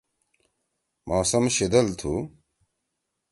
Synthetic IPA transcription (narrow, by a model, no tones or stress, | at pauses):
mʔaːsɐmɕid̪ɐlt̪ʰṵ